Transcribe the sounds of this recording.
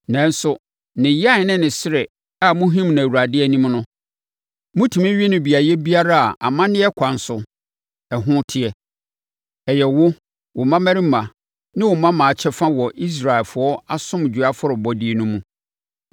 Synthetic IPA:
nɛ̃˦n̩˦sʊ˦ | nɪ̃˨ja˦˨˦nɪ̃˦nɪ̃˨sɾɪ˨ | a˨mʊ̃˦ɦĩ˦mñ˨wu˨ɾa˨dɪ˦ɛ˦˨˦nĩ˦mnʊ̃˦ | mʊ̃˦tʰĩ˨mĩ˦ɥi˦nʊ̃˨bi˨a˨jɛ˦bi˦a˦ɾa˦a˨ʔa̰˨mã˦nɪ̃˦ɛ˦kʷʰã˨n˨sʊ˨ | ɛ˨ɦʊ̃˦tʰɪ˦ɛ˨ | ɛ˨jɛ˨wʊ˦ | wʊ˨mã˦mæ̃˦ɾi˦mã˨ | nɪ̃˦wʊ˨mã˦mã˨t͡ɕʰɛ˦fã˦wɔ˨ʔi˦s̬ɾa˨ɛ˨lfʊ˨ɔ˦a˦sʊ̃˦m˨d͡ʑᶣu˨a˦fʊ˦ɾɪ˨bɔ˦dɪ˦e˨nũ˦mũ˦

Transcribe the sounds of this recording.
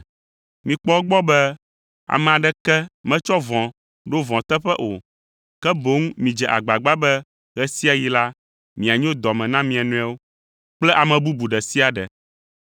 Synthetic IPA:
mĩ˨k͡pɔ˦wo˦ɡ͡bɔ˦bɛ˦ | a̰˨mɛ̃˨a˨ɖɛ˦kɛ˦mɛ̃˦t͡ʃɔ˦vɔ̃˨ | ɖo˦vɔ̃˨t̪ɛ˦ɸɛ˦ʔo˨ | kɛ˦bo˨˦ŋmĩ˨d͡ʒɛ˨ʔa̰˨ɡ͡ba˨ɡ͡ba˦bɛ˦ | ɣɛ˦si˦a˨ji˦la˦ | mĩ˨a˨ɲ˦o˦d̪ɔ˨mɛ̃˨nã˦mĩ˨a˨nũ˦ɛ˦wo˦ | k͡plɛ˦ʔa˨mɛ̃˨bu˦bu˨ɖɛ˨si˦a˨ɖɛ̰˨

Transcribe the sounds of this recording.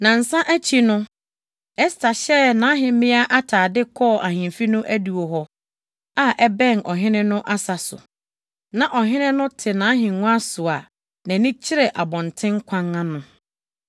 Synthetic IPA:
nã˨n̩˨sã˦ʔæ˦t͡ɕʰi˦nʊ̃˦ | ɛ˦stʰa˨ɕɛ˦nãː˨˦ɦɪ̃˨mɪ̃˦a˦ʔa˦tʰaː˨dɪ˦kʰɔ˦˨ʔa˨hĩ˨mfi˦nʊ̃˦ʔæ˦du˨o˨ɦɔ˦ | a˦ʔɛ˦bɛ̃˦˨nɔ˨ɦɪ̃˦nɪ̃˦nʊ̃˦ʔa˦sa˨sʊ̰˨ | nã˨ʔɔ˨ɦɪ̃˦nɪ̃˦nʊ̃˦tʰɪ˨nã˨˦ɦɪ̃˨ʊ̃˦a˦sʊ˨a˨ | nã˨nɪ̃˦t͡ɕʰɪ˦ɾɛ˨ʔa˨bɔ̃˨ntʰɪ̃˦ŋ˦kʷʰã˦ŋã˦nʊ̃˦

